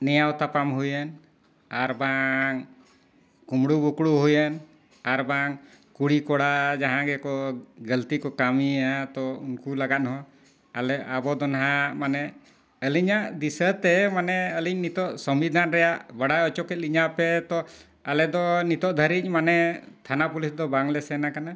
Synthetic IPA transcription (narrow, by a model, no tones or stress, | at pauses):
nɛjawt̪apamɦujən | aɾbaŋ | kumɽubukɽuɦujən | aɾbaŋ | kuɽikɔɽad͡ʒaɦãɡɛkɔɡəlt̪ikɔkamiat̪ɔunkulaɡat̪̚ɦɔ̃ | alɛabɔd̪ɔnɦamanɛ | əliɲaʔd̪isət̪ɛmanɛəlic̚nit̪ɔʔsɔmbid̪ʱanɾɛjaʔbaɽajɔt͡ʃɔkɛt̪̚liɲapɛt̪ɔ | alɛd̪ɔnit̪ɔʔd̪ʱəɾic̚ˀmanɛ | t̪ʰanapulisd̪ɔbaŋlɛsɛnakana